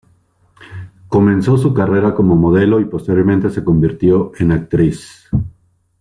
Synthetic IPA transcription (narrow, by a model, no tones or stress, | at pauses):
ko̞mẽ̞nso̞sukare̞ɾako̞mo̞mo̞ðe̞lo̞ipo̞st̪eɾjoɾment̪e̞se̞ko̞mbiɾt̪jo̞ʔe̞nak̚t̪ɾis